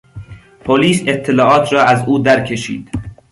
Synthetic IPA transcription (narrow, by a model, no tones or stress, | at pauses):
pʰoliːset̪ʰːelɒːʔɒːt̪ʰɾɒːæzuːd̪æɾkʰe̞ʃḭːd̪̥